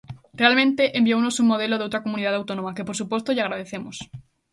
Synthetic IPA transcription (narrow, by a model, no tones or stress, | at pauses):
realmẽnt̪eʔembiownosuŋmoðeloðowt̪ɾakomũniðaðawt̪onõmakepoɾsupwost̪oʎaɣɾað̞eθemos